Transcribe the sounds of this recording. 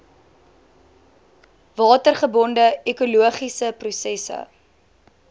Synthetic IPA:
vɑːtərχəbɔndəekuluəχisəprusɛsə̰

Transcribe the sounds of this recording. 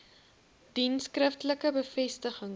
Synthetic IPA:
d̥inskrəftələkəbəfɛstəχəŋ

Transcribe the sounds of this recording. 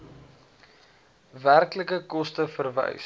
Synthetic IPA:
værkləkəkɔstəfərvɛ̰js

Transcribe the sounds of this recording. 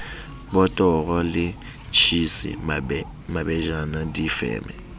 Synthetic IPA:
bɔtʼɔɣɔlɪ | t͡ʃʰisḭ | mabɛʒanadifɛ̰ːmɛ

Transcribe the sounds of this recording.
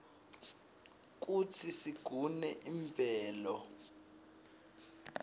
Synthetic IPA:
k̬utʰisiɡ̥ʱunɛʔiɱvʱɛːlɔ

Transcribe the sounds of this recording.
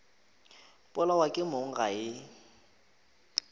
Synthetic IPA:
pʼʊlawakʼɪmoŋ̩ɣaɪ

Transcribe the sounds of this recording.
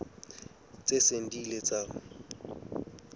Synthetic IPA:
t͡sʼesen̩dilet͡sʼa

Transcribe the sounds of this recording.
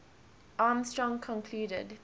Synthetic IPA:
ʔaːmstɹɔ̃ŋkʰɔ̃nkʰluːɾə̰d

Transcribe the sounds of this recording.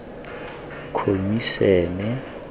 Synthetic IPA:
kʰomisɛːnɛ

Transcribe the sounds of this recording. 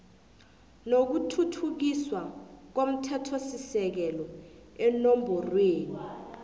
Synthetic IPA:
nok̬utʰutʰuk̬iswak̬om̩tʰɛtʰosisɛk̬ɛlɔɛnombʱɔrweːni

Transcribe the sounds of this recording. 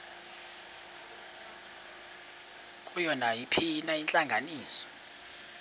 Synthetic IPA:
kʼujɔnajipʰinaint͡ɬʼaŋɡʱaniːsɔ̥

